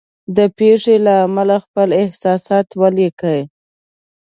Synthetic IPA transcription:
d̪əpeʂelaːmalaxpəlɪhsɑsɑt̪walekəj

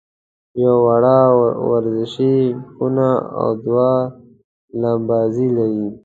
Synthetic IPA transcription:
jowaɽawaɾzɪʃixunaa̰wd̪wa | lambɑzilawi

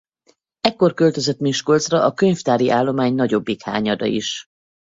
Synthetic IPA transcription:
ɛkːo̞rkø̞lt̪ø̞zøt̪miʃkolt̪srɒʔɒkø̞ɲft̪aːɾiʔaːlːo̞maːɲnɒɟo̞bːikha̰ːɲɒd̪ɒ̰ḭʃ

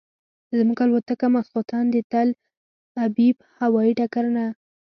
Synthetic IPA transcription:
zmuɡalwot̪akamasqut̪ɑnd̪ət̪al | abib̚ | hawɑiʈakaɾna

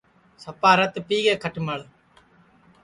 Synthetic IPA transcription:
sɐpːaːɾɐt̪ːɨpiːɡeːkʰɐʈːɨmaːɭ

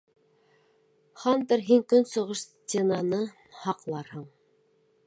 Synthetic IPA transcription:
χɑnd̪ɤɾɦiŋkɵnsŏʁɤʃstʲenɑnɤ | hɑqlˠɑɾhɤɴ

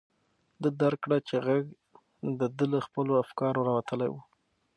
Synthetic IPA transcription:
d̪əd̪aɾkɽat͡ʃeɣaɡ | d̪əd̪ələxpəloafkɑɾoɾɑwat̪əlajwu

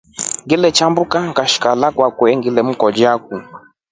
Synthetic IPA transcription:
ŋɡilɛt͡ʃambukaŋkaʃi̥kalakwakwɛŋɡilɛm̩kɔd͡ʒak̚u

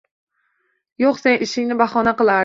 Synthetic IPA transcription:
joqsenʔɪʃɪŋnɪbaχɒnaqɨlˠa

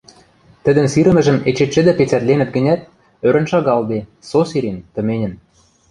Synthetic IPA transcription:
t̪ə̆d̪ə̆nsiɾə̆mɘ̆ʒə̆met͡ɕet̪ʃɘ̆d̪ɘ̆pet͡sæt̪lenɘ̆t̪̚ɡɘ̆nʲæt̪̚ | øɾə̆nʃɑɣɑld̪esosiɾent̪ɤ̆menʲə̆n

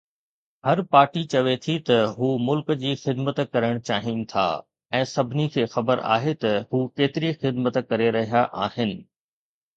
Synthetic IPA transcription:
hɐɾpaːɾʈit͡ɕɐʋet̪ʰit̪ɐɦuːmʊlkd͡ʑiːxɪd̪mət̪kɐɾəɽ̃t͡ɕaːɦinɪ̆t̪ʰa̰ː | ɛ̃ːsɐbʱɪnikʰeːxɐbəɾa̰ːɦet̪ɐɦuːkeːt̪ɪɾixɪd̪mət̪kɐɾeɾɐɦijaʔaːhɪnɪ̆

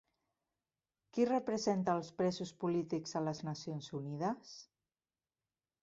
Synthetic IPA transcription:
kirəpɾəzent̪əːlˠspɾɛzuspulit̪ikzələznəsionzunið̞əs

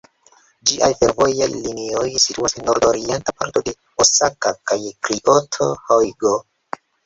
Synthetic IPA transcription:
d͡ʒiʔa̰jfeɾvo̞jḛjlinio̞jsituasenːoɾdoɾientapaɾtode̞ | osakakajkɾiʔotʰohojɡo

